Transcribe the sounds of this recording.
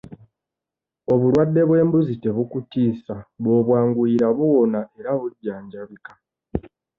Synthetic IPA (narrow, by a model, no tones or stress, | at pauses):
o̞βulwadːe̞βwe̞ːmbuzite̞βukutiːsaβo̞ːβwaːŋɡuiɾaβuːnaʔe̞ɾaβuɟːaːɲɟaβikḁ